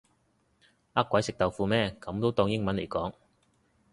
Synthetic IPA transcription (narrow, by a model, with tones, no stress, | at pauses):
ɐ˥kʷːɐ˨˥jsɪ˨k̚t̪ɐ˨wfuː˧mɛː˥kɐ˨˥mt̪o˥wt̪ɔː˧ŋjɪ˥ŋmɐ˨˥nle˨˩jkɔː˨˥ŋ